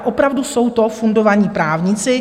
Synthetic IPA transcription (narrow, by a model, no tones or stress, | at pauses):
ʔopɾavdusso̞wt̪o̞fundo̞vaɲiːpɾaːvɲɪt͡sɪ